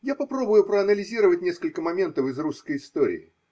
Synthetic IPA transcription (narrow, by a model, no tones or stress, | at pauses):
japɐpɾo̞bʊjʊpɾəɐnəlʲɪzʲiɾəvətʲnʲeskəlʲkəmɐmʲe̞nt̪əfɨzruskəjɪst̪oɾʲɪ̰ɪ